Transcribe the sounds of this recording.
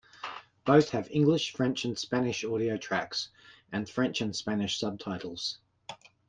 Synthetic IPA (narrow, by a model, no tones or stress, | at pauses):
b̥əʊθhəvɪ̰̃ŋɡlɪʃfɹɛ̃nt͡ʃə̃nspænɪʃɔːɾiəʊtʰɹ̥æksʔə̃nfɹɛ̃nt͡ʃə̃nspænɪʃsʌb̚tʰɑɪtˡəl̩ˠz̥